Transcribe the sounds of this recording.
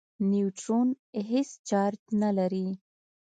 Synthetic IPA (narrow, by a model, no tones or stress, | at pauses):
niuʈɾon | ɦest͡ʃɑɾt̪nalaɾi